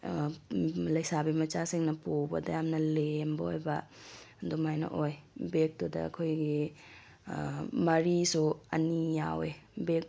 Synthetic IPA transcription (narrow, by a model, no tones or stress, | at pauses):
lɐjsabimɐt͡ʃasiŋnɐpowbɐdɐjamnɐlembɐojbɐdomajnɐ̰ʔojbek̚todɐ̰ɐ̰kʰojɡi | mɐɾisuɐ̰nijawebek̚